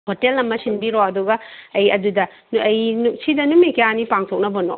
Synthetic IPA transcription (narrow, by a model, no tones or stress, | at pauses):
hotelɐmɐsinbiɾoɐduɡɐɐjɐdudɐ | ɐjnusidɐnumikejanipaŋtʰok̚nɐbɐnɔ